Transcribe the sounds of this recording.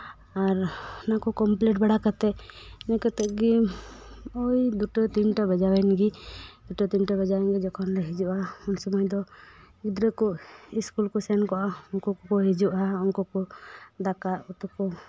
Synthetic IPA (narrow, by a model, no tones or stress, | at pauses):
aɾnakɔkɔmplɛʈ̚baɽakat̪ɛnɛkɔt̪ɛʔɡi | ɔjd̪uʈɔt̪inʈabɛd͡ʒawɛnɡid̪uʈɔt̪inʈabɛd͡ʒawɛnɡid͡ʒɔkʰɔnlɛɦid͡ʒuʔaunsɔmɔjd̪ɔ | ɡid̪ɾəkɔʔiskulkɔsɛnkɔʔaɔŋkɔkɔkɔɦid͡ʒuʔaɔŋkɔkɔd̪akaʔut̪ɔkɔ